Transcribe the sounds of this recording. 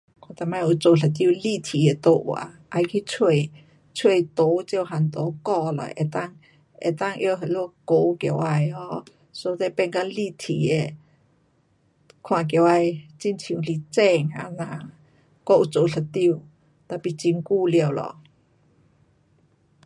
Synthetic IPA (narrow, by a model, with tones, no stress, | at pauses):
kʰã˨˧˩t̪a˨˩ma˧˩ju˨˩t͡so˨˩ɬʰə˨˩t̪̬ji˥˧˨li˥˧˨t̪ʰi˨e˨˩t̪o˧wa̰˨˩˦ʔa˧jkʰi˧t͡sʰwe˥˧ | t͡sʰwe˥˧˩jt̪o˨˧˦t͡ɕjo˥˧˨ɦa˨˩nt̪o˨˦kɔ˥˧lɔ̰˨ʔḛ˨˩t̪a˥˧ŋ | ḛ˨˩t̪a˥˧˨ŋʔjɦə˨lo˥˧ko˧˦kja˧˩wʔa˧jɔ˧˦ | so˧˦t̪e˧pɛ˥˧nka˧ŋli˧t̪ʰi˨e˨˩ | kʰwã˨˩k̬ja˨˩˨wa˧˩jt͡ɕi˧˨nt͡ɕʰli˨˧˩t͡sɛ˥˧ŋa̰˧˦nã˨ | kɔ˥˧ʔu˨˩t͡so˨˩ɬʰə˨˩t̪i˥˧˨ | t̪a˧˩pi˨˩t͡ɕi˧nku˥˧ljwlɔ̰˨